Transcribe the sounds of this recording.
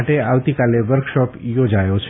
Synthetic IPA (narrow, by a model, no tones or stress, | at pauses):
ʈeaʋt̪ikaleʋəɾkʃɔpjod͡ʒajot͡ʃʰ